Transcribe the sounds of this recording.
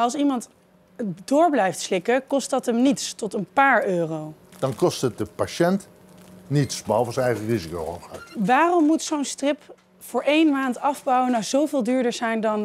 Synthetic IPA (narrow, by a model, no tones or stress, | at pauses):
ɑlˠsimɑnt | dʊːɹblɛjftslɪkəkɔstdɑtəmnitstɔtənpaːɹøːrowd̥ɑnkɔstət̚dəpaʃɛnt | nitsbəɑlˠvəsənɛjχərizikowho̰χa̰tʋaːrɔmːutsownstrɪp | fʊːɹʔejnmaːntɑvbɑwənawzowvɪːlˠdyːɹdəɹzɛjndɑn